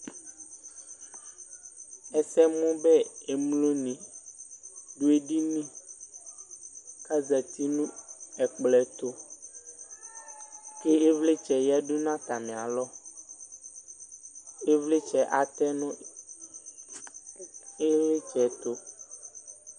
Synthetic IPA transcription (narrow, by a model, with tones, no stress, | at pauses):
ɛ˨sɛ˦mũ˦bɛ˦e˨mlo˦nĩ˨ | ɖu˦e˦ɖi˦nĩ˦ | ka˦zɛ˨t̪i˦nũ˦ɛ˨k͡plɛ˨t̪o˦ | ke˦e˦vle˦t͡ʃɛ˨jɛ˦ɖu˦nã˦t̪a˨mẽ˨a˨lɔ˦ | e˦vle˦t͡ʃɛ˨ʔa˨t̪ɛ˦nɔ̃˦ | e˦le˦t͡ʃɛ˨t̪o˦